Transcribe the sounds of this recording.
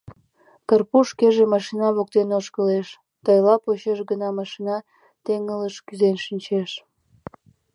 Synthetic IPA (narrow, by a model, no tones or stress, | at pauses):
kərpuʃkeʒemɑʃinɑβok̚t̪enoʃkəleʃ | t̪əjlɑpoɕeʃɡənɑmɑʃinɑ | t̪eŋələʃkyzenʃənʲt͡ɕeʃ